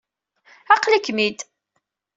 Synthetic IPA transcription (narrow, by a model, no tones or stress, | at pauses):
ɑqlikːmid̪